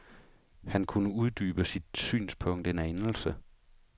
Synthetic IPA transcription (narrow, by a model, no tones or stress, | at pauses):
hænkʰunəuð̞ˠd̥yːb̥əsid̥sy̰ːnspʰɔ̽ŋ̰d̥enæenl̩sə